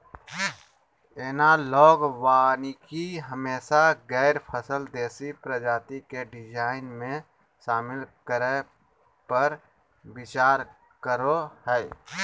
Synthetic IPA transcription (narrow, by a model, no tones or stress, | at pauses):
eːnalɔːɡwaːnikiɦəmeːsaɡɛːɾpʰəsəld̪eːsipɾəd͡ʒaːt̪ikeɖɪd͡ʒaːɪnmẽ | ʃaːmɪlkəɾe | pəɾ | bɪt͡ʃaːɾ | kəɾohɛː